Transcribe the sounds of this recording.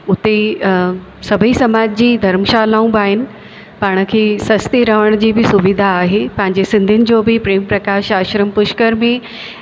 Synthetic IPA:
ʊt̪e | sɐbʱisɐmaːd͡ʑd͡ʑiːd̪ʱɐɾmʃaːlaːũbaːɦɪnɪ̆ | paːɽ̃ə̆kʰeːsɐst̪iɾɐɦəɽ̃d͡ʑiːbɪsʊʋɪd̪ʱaːɦeːpɐ̃ɦɪ̃ɲd͡ʑesɪ̃nd̪ʱiʊnɪ̆d͡ʑoːbɪpɾeːmpɾɐkaːʃaːʃɾəmpʊʃkəɾmẽ

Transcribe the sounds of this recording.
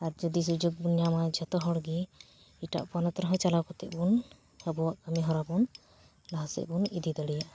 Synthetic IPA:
aɾd͡ʒɔd̪is̬ud͡ʒoɡ̚bunjamad͡ʒat̪ɔɦɔɽɡɛ | iʈa̰ʔpanɔt̪ɾɔɦɔ̃t͡ʃalawkɔt̪ɛʔ̚bun | həbɔwaʔkəmiɦɔɾabɔn | laɦasɛ̰ʔbunid̪id̪ɔɽijaʔ

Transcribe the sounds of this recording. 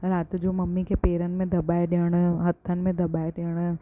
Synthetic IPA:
ɾaːt̪d͡ʒoːmɐmːikepeːɾənmẽd̪ɐbaːeɖeɽ̃ɦɐt̪ʰːənmẽd̪ɐbaːeɖeɽ̃

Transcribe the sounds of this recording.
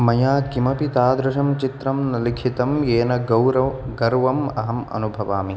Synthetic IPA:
mɐjaːɡimɐpit̪aːd̪ɾɐʃɐmt͡ʃit̪ɾɐmnɐlikʰit̪ɐmjeːnɐɡɐwɾɐɡɐɾʋɐmɐ̰ɦɐmɐ̰nubʱɐʋaːmi

